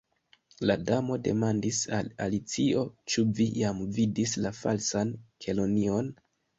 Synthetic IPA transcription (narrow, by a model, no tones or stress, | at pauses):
ladamo̞de̞̰mandisalalit͡sio̞t͡ʃuvijamvidislafa̰lsankʰe̞lo̞nio̞n